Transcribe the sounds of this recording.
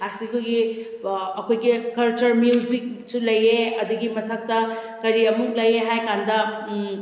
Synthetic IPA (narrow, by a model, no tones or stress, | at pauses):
asikuɡi | ɐkʰojɡikɐlt͡ʃɐɾmjuzik̚ | sulɐjeɐduɡimɐtʰɐk̚tɐ | kɐɾiɐmuk̚lɐjeɦajkandɐ